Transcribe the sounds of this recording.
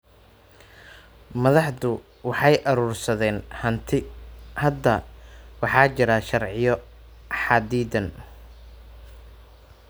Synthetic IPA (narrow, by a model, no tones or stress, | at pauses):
mɐðɑħdʊ | wɑħɑjʔɐɾuːrsɐðɛːnhɐnt̪ʰɪhɐd̪ɐwɑħɑːt͡ʃɪɾɐʃɐrʕɪjɔ | ħɑːd̪iːd̪ɐn